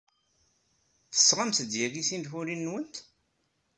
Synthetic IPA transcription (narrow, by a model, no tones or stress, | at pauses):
θə̥sːʁamsəd̪jæɡisind̪xuɾinːwənt̪